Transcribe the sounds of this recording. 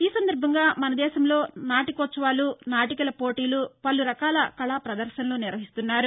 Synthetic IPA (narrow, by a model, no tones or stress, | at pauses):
iːsɐnd̪ɐɾbʱɐŋɡaːmɐnɐd̪ɛːʃɐmlo̞ːnaːʈikɔt͡ʃːɐʋaːlunaːʈikɐlɐpo̞ːʈiːlupɐlːuɾɐkaːlɐkɐɭaːpɾɐd̪ɐɾʃɐnɐluːniɾʋɐɦist̪unːaːɾu